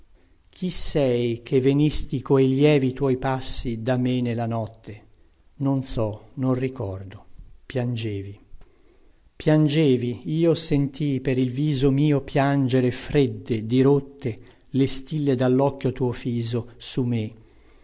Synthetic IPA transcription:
k̟ʰisːɛjk̟ʰevenist̪ikoeljɛːvit̪wɔjpasːid̪amenelːanɔt̪ʰːe | nonsɔnonrikɔrd̪opjand͡ʒeːvi | pjand͡ʒeːviiːosent̪ipeɾilviːzomiːopjand͡ʒeɾefɾed̪ːed̪iɾot̪ːe | lest̪ilːed̪alːɔkːjot̪uːofiːzosume

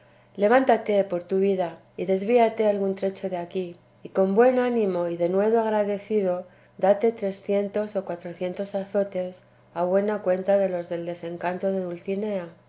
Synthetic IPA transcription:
le̞β̞ant̪at̪e̞po̞ɾt̪uβ̞iða | iðe̞zβiat̪e̞alɣunt̪ɾe̞t͡ʃo̞ðeakiː | ko̞mbwe̞nanĩmo̞iðe̞nwe̞ðoaɣɾaðe̞θið̞o̞ | d̪at̪e̞t̪ɾe̞sθje̞nt̪o̞so̞kwat̪ɾo̞θje̞nt̪o̞saθo̞t̪e̞s | aβwe̞nakwe̞nt̪aðe̞lo̞zðe̞ld̪e̞se̞ŋkant̪o̞ðe̞ðulθine̞a

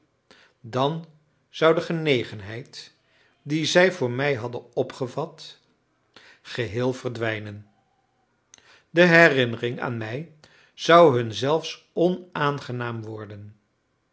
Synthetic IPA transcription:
dɑn | z̥ʌwdəχənejχənɦɛjt | dizɛjvʊːɹmɛjɦɑdənɔpχəvɑt | χəɦɪːlˠvərdʋɛjnən | dəɦɛrɪnərɪŋa̰ːnmɛj | z̥ʌwɦɵnzɛlˠfs | ɔnaːnχənaːmʋɔɹdən

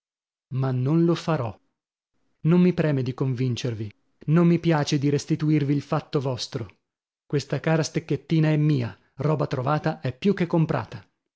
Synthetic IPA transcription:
manːonlofaɾɔ | nomːipɾɛːmed̪ikoɱvint͡ʃervi | nomːipjaːt͡ʃed̪iɾest̪it̪uirviːlfat̪ːovɔst̪ɾo | kwest̪akaːɾast̪ekːet̪ːiːnaɛmːiːa | rɔːbat̪ɾovaːt̪aʔɛpːjuk̟ːekːompɾʔa̰ːt̪a

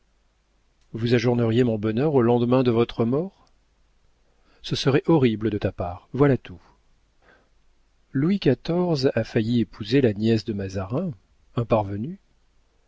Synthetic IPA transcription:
vuzaʒuʁnəʁjemɔ̃bɔnœʁolɑ̃d̪mɛ̃d̪əvɔt̪χəmɔːʁ | səsəʁɛʔɔʁibləd̪ət̪apaʁvwalat̪ʰu | lwikat̪ɔʁzafajiepʰuzelanjɛsd̪əmazaʁɛ̃ | ɛ̃paʁvəny

